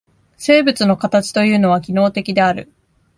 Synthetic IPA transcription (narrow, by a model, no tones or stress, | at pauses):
se̞ːbɯ̟t͡sɨno̞kat̪at͡ɕi̥t̪o̞jɯ̟ːno̞β̞akʲino̞ːt̪e̞kʲid̪e̞aɾɯ̟̰